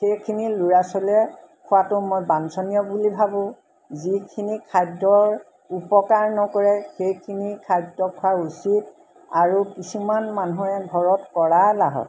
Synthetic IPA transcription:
xejkʰiniluɹasɔlɛ | kʰʊwatʊmɔjbansɔnijɔbulibʱabʊ̃ | zikʰinikʰadɔɹ | upɔkaɹnɔkɔɹɛxejkʰinikʰadːɔkʰʊausit | aɹukisumanmanuɛɡʱɔɹɔtkɔɹalaɦɔ̰t

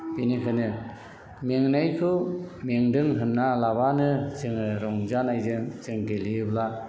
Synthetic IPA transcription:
binikʰɯnɯ | meŋnajkʰɯmeŋdɯŋɦɯnnalabanɯsɯŋɾɔŋzanajzɯmzɯŋɡeliɯbla

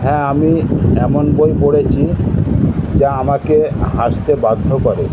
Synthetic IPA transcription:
ɦɛ̃amiɛmonbojpoɽet͡ɕʰi | d͡ʑaamakeɦaʃt̪ebad̪ʱːokoɾe

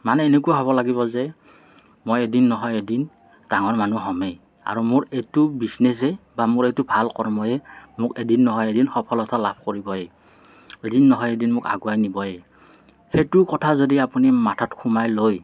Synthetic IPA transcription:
manɛːnek̬uaɦɔβɔlaɡiβɔzɛ | mojedinːɔɦɔjedin | taŋɔɹmanuɦɔmɛ | a̰ɹumʊɹejtubisnes̬ɛbamʊɹejtubʱalkɔɹmɔjɛmʊkedinːɔɦɔjedinxɔpʰɔlɔtʰalapʰkoɹibɔjɛ | edinːɔɦɔjedinmʊka̰ɡuajnibɔjɛ | hejtʊkɔtʰazodiapunimatʰɔtkʰumajloj

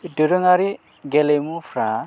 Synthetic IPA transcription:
doɾoŋaɾi | ɡelemufra

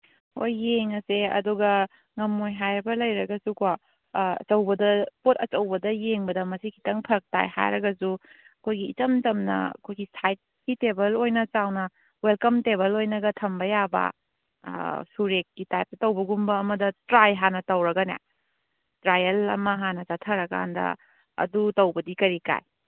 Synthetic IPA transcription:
o̰jːeŋɐseɐ̰duɡɐ | ŋɐmːojɦajɾbɐlɐjɾɐɡɐsuka | ɐ̰t͡ʃɐwbɐdɐpotɐt͡ʃɐwbɐdɐjeŋbɐdɐmɐsikʰi̥tɐŋpʰɐk̚ta̰jha̰jɾɐɡɐsu | ɐkʰojɡḭːt͡ʃɐmd͡ʒɐmnɐ̰ɐ̰kʰojɡisʰajt̚kitebɐlojnɐt͡ʃawnɐ | welkɐmtebɐlojnɐɡɐtʰɐmbɐjabɐ̰ | suɾekːitajp̚tɐtɐwbɐɡumbɐːmɐdɐtɾajɦanɐtɐwɾɐɡɐnḛ | tɾajɐlɐ̰mɐɦanɐzatʰɐɾɐka̰ndɐ̰ | ɐ̰dutɐwbɐdikɐɾika̰j

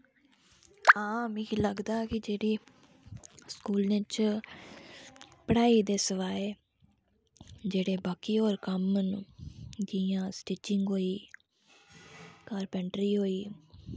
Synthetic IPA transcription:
ãːmĩːkiləɡd̪aːkɪd͡ʒeːɽiː | skuːlnẽt͡ʃ | pəɽaːiːd̪eːsəʋaːeː | d͡ʒeːɽeːbaːkiːoːɾkəmnː | d͡ʒ̪iːãːsʈiːt͡ʃɪŋɡɦoːiː | kaːɾpɛɳʈɾiːɦoːiː

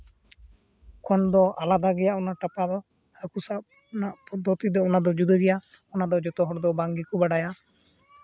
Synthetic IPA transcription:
kɔnd̪ɔalad̪aɡɛjaʔɔnaʈapad̪ɔ | həkusab | ɔnaʔpɔd̪ʱːɔt̪id̪ɔɔnad̪ɔd͡ʒud̪əɡɛja | ɔnad̪ɔd͡ʒɔt̪ɔɦɔɽd̪ɔbaŋɡikɔbaɽaja

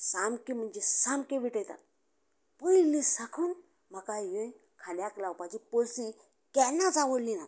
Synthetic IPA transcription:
samkim̤əɳd͡ʑesamkeʋiʈəjt̪a̰t̪̚ | pəilisakʰuːn | m̤akajə | kʰaljaklawpat͡ɕipolsi | kɛnat͡saʋəɽlina

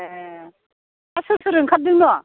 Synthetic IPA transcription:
asɯtʰɯɾɯŋkʰap̚d̪ɯŋnɔ

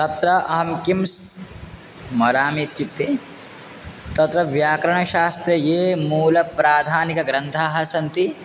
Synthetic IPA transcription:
t̪ɐt̪ɾɐʔɐɦɐmkims | mɐɾaːmet̪jut̪ːe | t̪ɐt̪ɾɐʋjaːkɾɐɳɐʃaːst̪ɾɐjeːmuːlɐpɾaːd̪ʱaːnikɐɡɾɐnt̪ʰaːɦɐsɐnt̪i

